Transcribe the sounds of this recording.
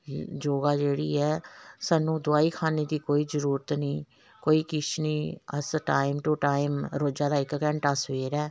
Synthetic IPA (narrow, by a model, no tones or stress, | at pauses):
d͡ʒoːɡaːd͡ʒeːɽḭːɛːsaːnũːd̪ʊaːiːkʰaːneːd̪iːkoːiːzəɾuːɾət̪nĩː | koːiːkɪt͡ʃʰniːə̰sʈaːɪmʈʊʈaːɪmɾoːd͡ʒaːd̪aːɪkkɛ̃ɳʈaːsʋeːɾɛː